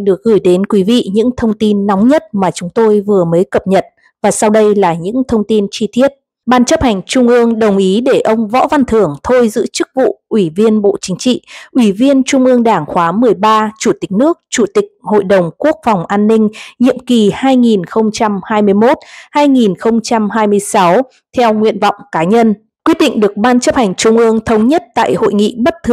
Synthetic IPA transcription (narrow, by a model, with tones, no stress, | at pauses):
ɗɨ˨˩ək̚ɣɨ˧˩jɗe˨˦nkwi˨˦vḭ˧˨ɲɨ̰˧˥ŋt̪ʰə˧wŋ͡mt̪i˧nːa˨˦wŋ͡mɲə˦˥t̚maː˨˩t͡ɕʊ˨˦ŋ͡mt̪o˧jvɨ˨˩əməː˨˦jkə˨˩p̚ɲə˨˩t̚ | vaː˨˩sa˧wɗə˧jlaː˨˩ɲɨ̰˧˥ŋt̪ʰə˧wŋ͡mt̪i˧nt͡ɕi˧t̪ʰi˦˥ət̚ | ɓaː˧˩nt͡ɕə˦˥p̚ha˨˩jŋ̟t͡ɕʊ˧ŋ͡mʔɨ˧əŋɗə˨˩wŋ͡mʔi˨˦ɗe˧˩ʔə˧wŋ͡mvɔ̰˧˥va˧nt̪ʰɨ˨˩əŋt̪ʰo˧jzɨ̰˧˥t͡ɕɨ˦˥k̚vṵ˧˨ʔwi˧˩vi˧ənɓo̰˧˨t͡ɕï˨˦ŋ̟t͡ɕḭ˧˨ʔwi˧˩vi˧ənt͡ɕʊ˧ŋ͡mʔɨ˧əŋɗaː˧˩ŋxwaː˨˦mɨ˨˩əjɓaː˧t͡ɕu˧˩t̪ï˨˩k̟̚nɨ˦˥ək̚t͡ɕu˧˩t̪ï˨˩k̟̚ho̰˧˨jɗə˨˩wŋ͡mku˦˥ək̚fa˨˩wŋ͡mʔaː˧nːï˧ŋ̟ɲḭ˧˨əmki˨˩haː˧jŋi˨˩nxə˧wŋ͡mt͡ɕa˧mhaː˧jmɨ˧əjmo˦˥t̚haː˧jŋi˨˩nxə˧wŋ͡mt͡ɕa˧mɦaː˧jmɨ˧əjsa˨˦w | t̪ʰɛ˧wŋwḭ˧˨ənvɔ̰˧˨wŋ͡mkaː˨˦ɲə˧n | kwi˦ət̚ɗḭ˧˨ŋ̟ɗɨ˨˩ək̚ɓaː˧nt͡ɕə˦˥p̚ha˨˩jŋ̟t͡ɕʊ˧ŋ͡mʔɨ˧əŋt̪ʰə˨˦wŋ͡mɲə˦˥t̚t̪a̰ː˧˨jho̰˧˨jŋḭ˧˨ɓə˦˥t̚t̪ʰɨ˧˩